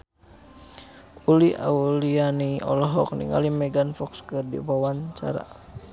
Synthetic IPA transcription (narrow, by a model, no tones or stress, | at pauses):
uliʔa̰ulianiɔlɔɦɔk̚nḭŋa̰limɛɡanfɔkskərdḭbawant͡ʃa̰ɾa̰